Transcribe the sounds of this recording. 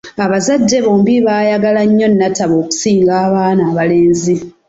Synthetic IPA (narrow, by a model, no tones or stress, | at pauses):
aβazadːe̞βo̞ːmbiβaːjaɡalaɲːo̞nːataβo̞ːku̥siːŋɡaːβaːnaːβale̞ːnzi